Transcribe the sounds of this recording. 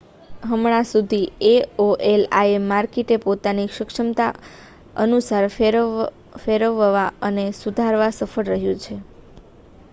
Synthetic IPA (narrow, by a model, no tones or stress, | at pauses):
ɦəmɭ̃asud̪ʱieoʔelaemːaɾkiʈepot̪aniʃəkʂəmt̪a̰ | ə̰nusaɾ | feɾəʋəʋaənesud̪ʱaɾʋasəfəɽɾəɦjũt͡ʃʰe